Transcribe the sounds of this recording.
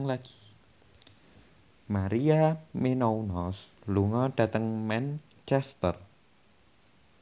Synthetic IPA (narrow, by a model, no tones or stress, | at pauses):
ŋlaɡ̥i̥ | maɾiamenounɔsluŋɔɖ̥ä̤t̪əŋmɛn | t͡ʃɛst̪ər